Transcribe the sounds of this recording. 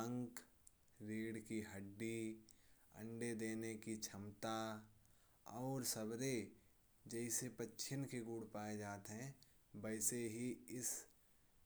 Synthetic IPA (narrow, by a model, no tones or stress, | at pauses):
ə̃ŋk | ɾiːɽkiɦəɖːi | ə̰̃ɳɖed̪eːnekit͡ʃʰɐmt̪a | ɔːɾsəbɾe | d͡ʒɛɪsepətːʃʰɪnkeɡuːɽpaːed͡ʒaːt̪ɦɛ̃ | bəɪseɦiɪs